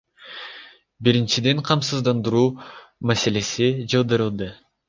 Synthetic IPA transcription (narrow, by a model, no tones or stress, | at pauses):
biɾint͡ʃid̪e̞ɴqʰɑmsɯzd̪ɑnd̪ɯɾuːmase̞le̞sid͡ʒɑlˠd̪ɯɾɯlˠd̪ɯ